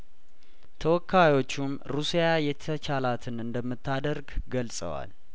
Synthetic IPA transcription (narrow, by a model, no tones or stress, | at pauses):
t̪ʰəwɔkʰːajwo̞t͡ʃːum | ɾusijajɛt̪ʰət͡ʃalat̪ʰɨnɨnd̪əmːɨt̪ːad̪əɾɡɡəlsʼə̰wa̰l